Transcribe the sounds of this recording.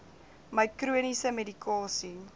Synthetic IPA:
məjkruənisəmedikɑːsi

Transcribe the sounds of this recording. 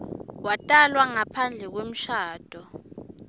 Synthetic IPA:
watʼalwaŋapʰand͡ɮʱɛk̬wem̩ʃaːd̥ʱɔ

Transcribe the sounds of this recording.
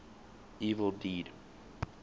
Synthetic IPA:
iːvəl̩ˠdiːd̥

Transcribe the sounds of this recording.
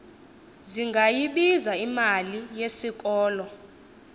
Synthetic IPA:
ziŋɡʱajiɓizaimalijesik̬ʼɔːlɔ

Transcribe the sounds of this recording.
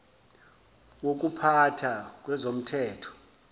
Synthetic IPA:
wok̬ʼupʰatʰak̬ʼwɛzom̩tʰɛːtʰɔ̥

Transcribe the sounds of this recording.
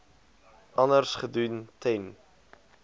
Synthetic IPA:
ɐnərsχəduntʰɛn

